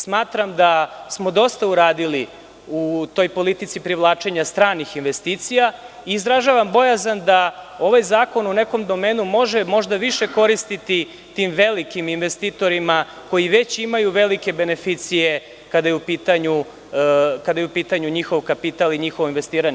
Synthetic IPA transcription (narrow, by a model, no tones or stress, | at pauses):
smaːt̪ɾamd̪asmo̞d̪o̞st̪auɾaːd̪ili | ut̪o̞jpo̞lit̪it̪sipɾiʋlˠaːt͡ʃe̞ɲast̪ɾaːnixinʋe̞st̪iːt̪sija | iːzɾaʒaʋambo̞jazand̪ao̞ʋajzaːko̞nune̞ko̞md̪o̞meːnumo̞ʒemo̞ʒd̪aʋiʃe̞ko̞ɾist̪it̪i | t̪imʋe̞likiminʋest̪iːt̪o̞ɾima | ko̞jiʋe̞t͡ɕimajuʋe̞like̞be̞ne̞fit̪sije | kad̪ajɛupiːt̪aɲu | kad̪ajɛupiːt̪aɲuɲixo̞ʋkapit̪aliɲixoʋoinʋe̞st̪iːɾaɲ